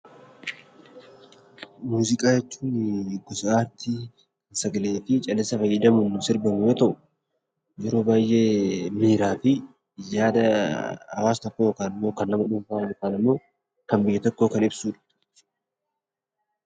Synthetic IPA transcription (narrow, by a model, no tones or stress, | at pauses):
muːzɪkʼaːjɛt͡ʃːuːnɡɔsɐaːɾt̪i | nsɐɡɐle̞ːfɪt͡ʃʼɐlɛsːɐfɐjːɐd̪ɐmʊnʊsɪɾbɐmʊjot̪ɐʔʊ | jɛɾoːbaːjːeːmiːɾaːfɪ | jaːd̪ɐhɐ̰waːst̪ɔkːojokaːnɪmːo̞ːkɐnːɐmɐᶑʊmfaːkaːnɐmːo̞ː | kɐmbɪjːɛt̪ɔkːo̞ːkɐnɪbsuːᶑɐ̥